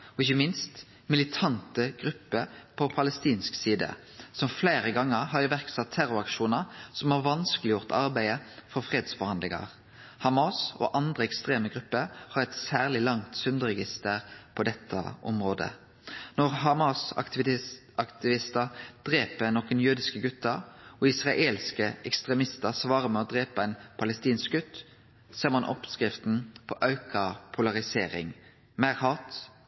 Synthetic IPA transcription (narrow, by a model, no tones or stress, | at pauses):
ɔɪçəmɪnst̪ | mɪlɪt̪ʰɑnt̪əɡʁʉpːəpʰɔpʰɑləst̪iːnsksiːd̪ə̰ | sɔmflæɪɾəɡɑŋːəɾɦɑɾʋæʁksɑt̪ʰːæɾʊɾɑkʃuːnəɾsɔmhɑʁʋɑnskəlɪjʊʁt̪ʰɑɾbæɪəfɔɾfʁeːd̪sfɔɾhɑnd̪lɪŋɑ̰ʁ | hɑmɑsɔ̰ːʔɑnd̪ʁəɛkst̪ʁeːməɡʁʉpːəɾhɑɾɛt̪sæːʁlɪlɑŋt̪sʉnd̪əɾɛɡɪst̪əʁpʰɔd̪ɛt̪ʰːə̰ʔɔmʁoːd̪ə̰ | nɔʁɦɑmɑsɑ̰ | ɑkt̪ɪʋɪst̪əʁd̪̥ɾeːpənɔkənjʉːd̪ɪskəɡʉt̪ːəɔɪsʁɑʔeːlskəʔɛkst̪ʁɛmɪst̪əʁsʋɑːɾəmɛɔd̪ɾeːpɑɛɪnpʰɑləst̪iːns̚ɡʉt̪ː | seːʁmɑnʔɔ̰pskɾɪft̪n̩pʰɔ̰ʔɑʉkʰɑpʰʊlɑʁɪseːɾɪ̰ŋ | mæːʁhɑt̪